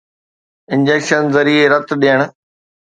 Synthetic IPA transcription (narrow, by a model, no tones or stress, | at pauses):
ɪ̃nd͡ʑeːkʃənzɐɾiːeɾɐt̪ɗeːəɽ̃